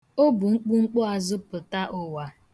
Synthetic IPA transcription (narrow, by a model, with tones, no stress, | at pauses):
o˦bʊ˨ŋ͡m̩˦k͡pu˦ŋ͡m̩˦k͡pʊ˦a˨zʊ˦pʊ˨ta˦ʔʊ˨wa˨